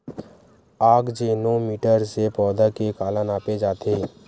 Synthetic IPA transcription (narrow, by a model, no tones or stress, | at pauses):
aːkd͡ʒenoːmiːʈəɾsepɔːd̪akekaːlənaːped͡ʒaːt̪ʰeː